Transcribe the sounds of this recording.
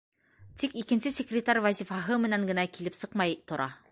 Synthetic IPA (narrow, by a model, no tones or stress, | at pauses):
t̪ikikɘ̆nsɘsʲekrʲɪt̪aɾʲvɐzʲifɑɦɤmɘ̆næŋɡɘ̆nækilɘpsɤqmɑjt̪ŏɾʔɑ